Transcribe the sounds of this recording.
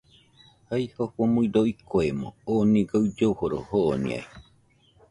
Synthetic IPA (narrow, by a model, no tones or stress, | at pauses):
haihoɸomuĩɾoikoemõonĩɡaud͡ʒohoɾo̰hoʔːnḭ̃a̰i